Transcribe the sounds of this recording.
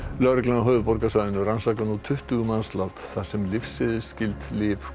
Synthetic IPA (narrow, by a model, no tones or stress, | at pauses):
lœɾklanaɦœːvʏpɔɾkasvajðɪnʏransaːkanut̪ʰʏht̪ʏɣʏmanslawt̪θḁsɛmlɪfsɪðɪscɪlt̪lɪːf